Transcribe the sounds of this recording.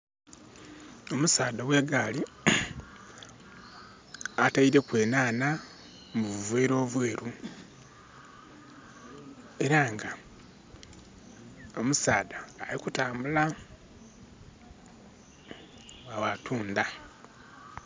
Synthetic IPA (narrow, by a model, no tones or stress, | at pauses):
o̞musaːdawe̞ːɡaːli | ataiɾe̞kwe̞ːnaːna | muβuvweːɾo̞ːβweːɾu | e̞ɾaŋɡa | o̞musaːdaːlikutaːmbula | awatʰuːnda